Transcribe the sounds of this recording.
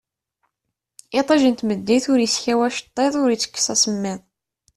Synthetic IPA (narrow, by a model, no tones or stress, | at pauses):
ɪt̪ˤɑʒənt̪məd̪ːiθʊɾjisçæwæʃə̥t̪ˤːeðˤʊɾit͡sːə̥kːsæsəmːæðˤ